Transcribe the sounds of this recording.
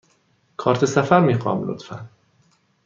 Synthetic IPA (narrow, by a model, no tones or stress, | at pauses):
kʰɒːɾt̪ʰe̞sæfæɾmiːxɒːmlo̰t̪fæ̰n